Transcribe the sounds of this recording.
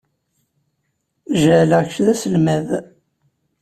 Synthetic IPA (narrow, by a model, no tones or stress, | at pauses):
ʒələçʃðæsəlmæð